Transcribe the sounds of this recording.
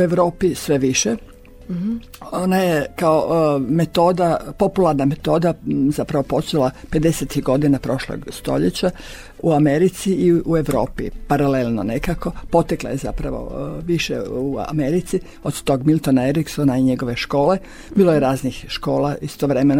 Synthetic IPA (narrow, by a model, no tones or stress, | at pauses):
ue̞ʋɾo̞ːpisʋe̞ʋiʃe | o̞najekaome̞t̪o̞ːd̪apo̞pulˠaɾname̞t̪o̞ːd̪azapɾaʋo̞po̞t͡ʃelˠape̞d̪e̞set̪iɡo̞d̪inapɾo̞ʃlo̰ɡst̪o̞̰ʎet͡ɕa | uameɾit̪siiue̞ʋɾo̞̰ːpḭpaɾalelnonekako̞po̞t̪eklˠa̰je̞za̰pɾaʋo̰ʋiʃḛua̰meɾit̪si | od̪t̪o̞ɡmilˠt̪onaeɾiksonaiɲe̞ɡo̞ʋe̞ʃko̞ːle | biːlojeɾaːznixʃko̞ːlaist̪oʋɾe̞meno